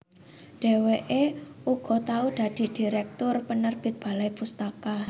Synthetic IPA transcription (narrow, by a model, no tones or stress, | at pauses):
ɖ̥e̤weʔeʔuɡ̥ɔ̤t̪auɖ̥a̤d̪̥i̤d̥i̤ɾɛk̚t̪ʊrpənərb̥ɪ̤t̪̚b̥a̤lajpust̪aka